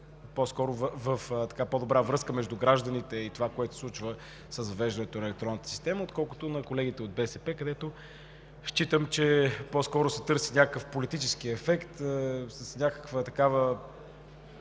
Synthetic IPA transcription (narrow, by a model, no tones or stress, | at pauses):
poskɔɾʊvvəft̪ɐ̥kapod̪obɾavɾɤskəmɛʒd̪uɡɾaʒd̪ənit̪ɛit̪ovakoɛt̪o̥sˠut͡ʃvə | səzɐvɛʒd̪ənɛt̪onɛlɛk̚t̪ɾɔnət̪ə̥si̥st̪ɛməot̪̚kɔlˠkʊ̥t̪ʊnɐkolɛɡ̟it̪ɛod̪̚bɛsɛpɛkɐd̪ɛt̪o | ʃt͡ʃit̪əmt͡ʃɛpɔskɔɾʊsɛ̥t̪ɤɾsinʲakkəfpolit̪it͡ʃɛskiɛfɛkt̪səsnʲakə̥kvət̪ɐkavə